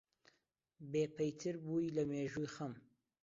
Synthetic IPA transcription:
beːpʰɐjt̪ʰɨɾbuːjlɐmeːʒuːjxɐm

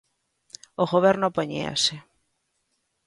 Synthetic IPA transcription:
oɣoβ̞ɛɾnopoɲḛa̰sɪ

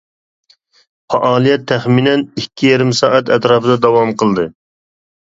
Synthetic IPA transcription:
fɑʔɑːlˠijɛt̪ʰːɛχminɛnikʲʰːijɛɾɪmsɑːʔɛt̪ɛt̪ɾɑːpɨd̪ɑd̪ɑwɑmqʰəlˠd̪ɨ

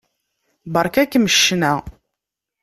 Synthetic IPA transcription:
bəɾˤkækːməʃːnæ

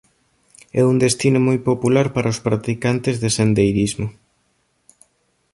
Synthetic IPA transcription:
ɛund̪est̪inʊmojpopulaɾpaɾʔaospɾat̪ikant̪ɪzðesend̪ejɾizmʊ

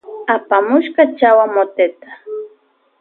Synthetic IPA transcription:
apamʊʃkat͡ʃawamot̪et̪ḁ

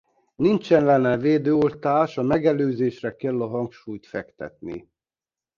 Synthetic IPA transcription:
nint͡ʃɛnlɛnɛveːd̪øːolt̪aːʃɒmɛɡɛløːzeːʃrɛkɛlːɒɦɒŋkʃuːjt̪fɛkt̪ɛ̰t̪nḭ

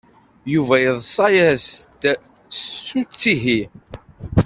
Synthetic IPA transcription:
juvæjəðˤsˤɑjæst̪ | sut͡sːiɦi

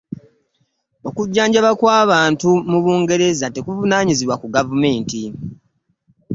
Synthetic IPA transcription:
o̞kuɟːaːɲɟaβakwaːβaːntumuβuːŋɡe̞ɾe̞zate̞kuvunaːɲiziβwakuɡavume̞ːnti

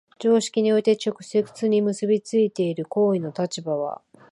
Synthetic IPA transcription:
d͡ʑo̞ːɕi̥kʲiɲ̟io̞it̪e̞t͡ɕo̞kɯ̟̥se̞kɯ̥t͡sɨɲ̟imɯ̟sɨbʲit͡sɨit̪e̞iɾɯ̟ko̞ːino̞t̪at͡ɕibaβa̰

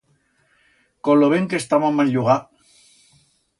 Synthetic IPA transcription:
koloβeŋkest̪amamanʎuɣa

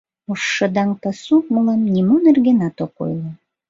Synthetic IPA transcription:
oʃːə̆d̪ɑŋpɑsuk̚molɑmnʲimonerɣenɑt̪oko̰jlɤ

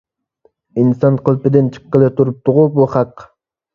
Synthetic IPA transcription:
insɑnqʰʊlˠpɪd̪ɪnt͡ʃʰɨ̥qːelˠɪt̪ʰuɾup̚t̪ʰʊʁubuχɑq

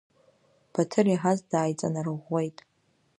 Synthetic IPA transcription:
b̥atʰɨriħazdaːjt͡sʼa̰narɨʁʷːe̞jtʼ

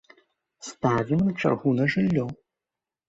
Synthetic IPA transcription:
st̪avʲimnɐt͡ʂa̰rɣunɐʐɨlʲːɔ

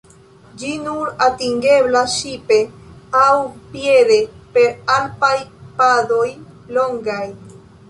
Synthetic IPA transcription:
d͡ʒinuɾatiŋɡe̞blaʃipe̞awpje̞ɾe̞pe̞ɾalpajpado̞jlo̞ŋɡaj

